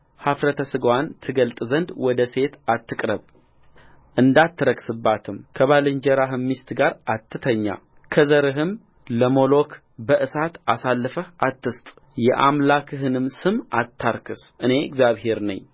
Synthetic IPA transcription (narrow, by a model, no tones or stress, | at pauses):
hafɾət̪ʰəsɨɡwant̪ʰɨɡəlt̪ʼzənd̪wɔd̪əse̞t̪at̪ːɨkʼɾəβ | ʔɨnd̪at̪ʰːɨɾəksɨbːat̪ʰɨmkʰəβalɨɲd͡ʒəɾaɦɨmːist̪ʰɡaɾat̪ːɨt̪ʰəɲːa̰ | kʰəzəɾɨɦɨm | ləmo̞lo̞kʰ | bəʔɨsat̪asalːɨfəhʔat̪ːɨst̪ʼ | jɛʔamlakʰɨɦɨnɨmsɨmat̪ʰːaɾkʰɨsʔɨne̞ɪ̰ɡzjaβhe̞ɾnə̰ɲː